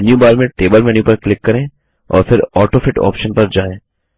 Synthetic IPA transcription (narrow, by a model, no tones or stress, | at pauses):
njũbaːɾmẽʈeːbəlmɛnjũpɐɾklɪkːɐɾẽː | ɔ̰ːɾfʰɪɾɔːʈoːfʰɪʈɔ̰ːpʃənpɐɾd͡ʒaːẽː